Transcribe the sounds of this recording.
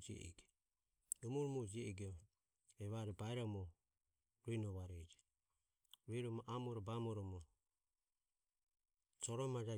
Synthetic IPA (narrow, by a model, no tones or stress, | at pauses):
d͡ʒiɛ̰ʔɛ̰ɡɛ | dɔmuɾɔmɔd͡ʒiɛɛɡ | ɛβaɾɛbaɛɾɔmɔ | ɾinɔβaɾɛd͡ʒɛ | ɾiɾɔmɔʔamɔɾɔbamɔɾɔmɔ | t͡ʃɔɾɔmad͡ʒa